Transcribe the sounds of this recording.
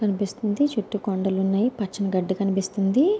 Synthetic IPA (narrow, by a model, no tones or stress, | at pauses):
kɐnipist̪und̪it͡ʃuʈːukoɳɖɐlunːɐjipɐt͡ʃːɐnɐɡɐɖːikɐnipist̪und̪i